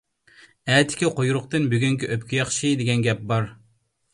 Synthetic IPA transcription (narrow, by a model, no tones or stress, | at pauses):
ɛːt̪ʰɪ̥kʲiqʰojuɾʊqt̪ɨnbyɡʲyŋkʲiʔøpʲkʲijɑχʃid̪eɡʲɛnɡʲɛp̚bɑɾ